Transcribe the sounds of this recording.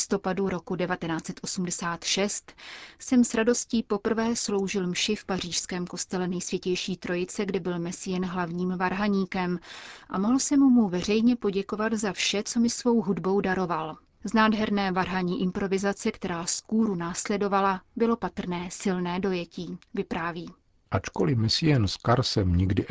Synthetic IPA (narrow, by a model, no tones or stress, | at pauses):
st̪o̞paduɾo̞kudɛvat̪ɛnaːt͡sɛt̪ʔo̞sumdɛsaːt̪ʃɛst̪sɛmsɾado̞sciːpo̞pr̩vɛːslo̞wʒɪlmʃɪfpar̝iːʃskɛːmko̞st̪ɛlɛnɛjsvjɛcɛjʃiːt̪ɾo̞jɪt͡sɛɡdɪbɪlmɛsɪjɛnɦlavɲiːmvaɾɦaɲiːkɛmʔamo̞ɦl̩sɛmumuvɛr̝ɛjɲɛpo̞ɟɛko̞vat̪zafʃɛt͡so̞mɪsvo̞wɦudbo̞wdaɾo̞val | znaːdɦɛɾnɛːvaɾɦaɲiːʔɪmpɾo̞vɪzat͡sɛkt̪ɛɾaːskuːɾunaːslɛdo̞valabɪlo̞pat̪r̩nɛːsɪlnɛːdo̞jɛciːvɪpɾaːviː | ʔat͡ʃko̰lɪmɛsɪjɛnskaɾsɛmɲɪɡdɪ